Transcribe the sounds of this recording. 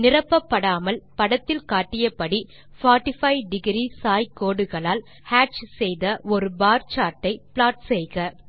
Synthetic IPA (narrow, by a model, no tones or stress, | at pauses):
nɪrɐpːɐpːɐɽaːmɐlpɐɽɐt̪ːɪlkaːʈːɪjɐpːɐɽi | faːʈɪfɐɪɖɪɡɾisaːjkoːɽɯɣɐɭaːl | haːʈt͡ʃsɛjðɐʔɔɾɯbaːɾt͡ʃaːʈːɐɪpɪɭaːʈsɛjɣɐ